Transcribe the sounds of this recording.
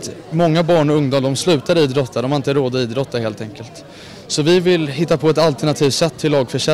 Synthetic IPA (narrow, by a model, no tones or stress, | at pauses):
t̪mɔŋːabɑːɳɔɵŋd̪uːmd̪ɔmslʉ̟ːt̪ad̪iːd̪ɾɔt̪ːad̪ɔmhaɾɪnt̪əɾoːd̪aiːd̪ɾɔt̪ʰːaheːlt̪ʰɛŋkəlt̪ | sɔvɪvɪlɦɪt̪ːapʰɔɛt̪alt̪ɛɳat̪ʰiːvsɛt̪ʰːɪlːɑːɡfœʂɛ